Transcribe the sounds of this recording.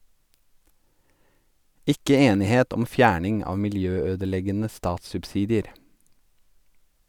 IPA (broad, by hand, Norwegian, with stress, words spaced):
ˈɪkə ˈeːnɪˌheːt ˈɔm ˈfjæːɳɪŋ ˈɑːʋ mɪlˈjøːˌøːdəˌlɛɡənə ˈstɑːtssʉpˌsiːdɪəɾ